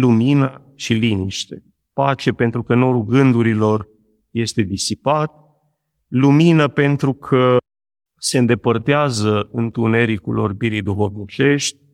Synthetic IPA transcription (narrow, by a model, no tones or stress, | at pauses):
luminə | ʃiliniʃt̪e̞ | pat͡ʃe̞pe̞nt̪ɾukəno̞ɾulɡɨnd̪uɾilo̞r | je̞st̪e̞d̪isipat̪̚ | luminəpe̞nt̪ɾukʰə | se̞ɨnd̪e̞pərt̪eazəɨnt̪une̞ɾikṵlo̞̰rbiɾijd̪uxo̞vnit͡ʃe̞ʃt̪ʲ